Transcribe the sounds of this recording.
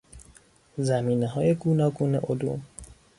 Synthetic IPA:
zæmiːneɦɒːje̞ɡuːnɒːɡuːnḛʔolṵm

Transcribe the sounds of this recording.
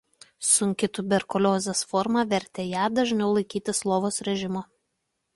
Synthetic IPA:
sʊŋʲkʲɪt̪ʊbʲɛɾkɔlʲoːzʲɛsfɔɾmɑʋʲɛɾʲt̪ʲeːjæːd̪ɐʒʲnʲɛʊlˠɐɪkʲiːt̪ʲɪslˠoːʋoːsɾʲɛʒʲɪmoː

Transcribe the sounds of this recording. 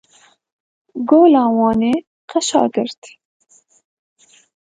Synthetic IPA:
ɡoːlɑːwɑːneː | qʰɛʃɑ̰ːɡɨɾt̪

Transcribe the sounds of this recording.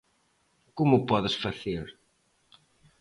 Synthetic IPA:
kumʊpɔðɪsfaθeɾ

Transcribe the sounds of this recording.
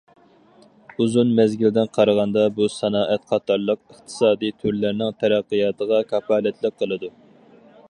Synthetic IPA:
uzunmɛzɡʲɪld̪ɪnqʰɑɾəʁɑnd̪ɑbusɑnɑːʔɛt̪qʰɑt̪ʰɑɾlˠəq̚əχt̪ʰɨ̥sɑːd̪it̪ʰuɾlɪɾnɪŋt̪ʰɛɾæqːəjɑːt̪ʰəʁɑkʰɑpɑːlɛt̪ʰlɪk̚qʰːəlˠɨd̪u

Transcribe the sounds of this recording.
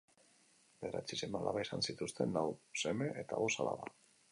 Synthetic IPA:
beɾat͡sisemalʔaβaesansit̪ust̪e̞nlawse̞me̞ʔet̪aβo̞salaβa

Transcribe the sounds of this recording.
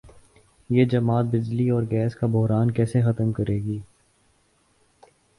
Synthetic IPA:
jeːd͡ʒɐmaːt̪̚bɪd͡ʒliɔːɾɡɛːskabʊɦɾaːnkɛːsexɐt̪əmkɐɾeːɡiː

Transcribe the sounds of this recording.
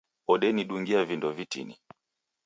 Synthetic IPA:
ɔɗɛniɗuŋɡiavindɔvitḭnḭ

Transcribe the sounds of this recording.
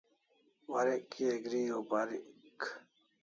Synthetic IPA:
waɾekːieɡɾiːobaɾik

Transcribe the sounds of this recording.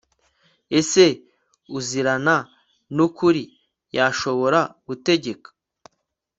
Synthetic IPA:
e̞se̞ | uziɾana | nukuɾi | jaʃo̞βo̞ɾaɡ̥ute̞ɟe̞kḁ

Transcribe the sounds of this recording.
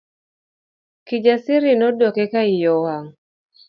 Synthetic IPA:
kid͡ʒasiɾinodɔkɛkaijɔhaŋ

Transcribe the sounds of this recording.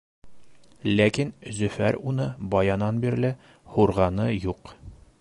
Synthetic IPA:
lækinzɵ̆fæɾunɤbɒjɑnɑnbiɾlɘ | huɾʁɑnɤjuq

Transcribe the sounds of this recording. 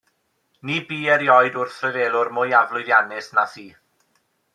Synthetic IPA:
nibiːɛɾjɔjdʊrθrɛveːlˠʊrmʊjavlˠʊɨðjanɪsnaθiː

